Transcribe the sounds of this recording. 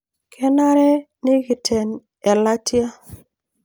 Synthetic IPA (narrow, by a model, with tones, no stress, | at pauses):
kʰɛ˦na˦ɾɛ˦ | nɪ˦ɡɪ˨tʰɛ˨n | ɛ˨la˦tja˦